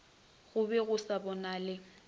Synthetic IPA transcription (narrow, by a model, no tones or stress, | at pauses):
ɣʊbɛɣʊsabɔnaːlɪ